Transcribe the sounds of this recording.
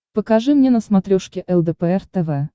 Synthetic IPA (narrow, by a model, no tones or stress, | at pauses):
pəkaʐɨmnʲenəsmat̪ɾʲoʂkʲɪʔɛlˠd̪ɛpɛɛrt̪ɛvɛ